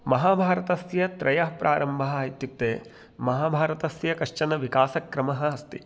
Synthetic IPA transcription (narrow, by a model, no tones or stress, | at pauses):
mɐɦaːbʱaːɾɐt̪ɐsjɐt̪ɾɐjɐɦpɾʔa̰ːɾɐmbʱɐɦaːjit̪juk̚t̪eː | mɐɦaːbʱaːɾɐt̪ɐsjɐkɐʂt͡ʃɐnɐʋikaːsɐkɾɐmɐɦɐɐst̪i